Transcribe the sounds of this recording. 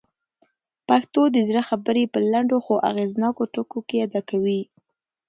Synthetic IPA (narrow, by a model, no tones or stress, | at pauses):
pakt̪od̪əzɾaxabəɾepəlaɳɖoxoʔa̰ɣeznɑkoʈokokejad̪ɑkawi